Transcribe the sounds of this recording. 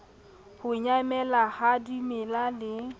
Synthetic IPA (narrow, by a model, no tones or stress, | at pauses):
hʊɲamɛlahadimɪlalɪ